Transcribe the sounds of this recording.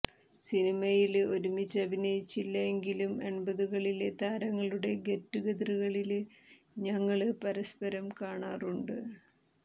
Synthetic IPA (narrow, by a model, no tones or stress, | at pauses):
sinimɐjilo̞ɾumit͡ɕːɐbʱinɐjit͡ɕːilːɐeŋɡilume̞ɳbɐðuɣɐɭilet̪aːɾɐŋːɐɭuɽe̞ɡe̞tːuɣɐðruɣɐɭil | ɲɐŋːɐɭɨpɐɾɐspɐɾɐmkaːɳaːruɳɖɨ